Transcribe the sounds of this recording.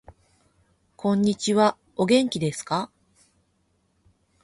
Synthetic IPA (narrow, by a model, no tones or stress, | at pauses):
kʰõ̞ɲ̟ːit͡ɕiβa | o̞ɡẽ̞ŋkʲid̪e̞sɨ̥ka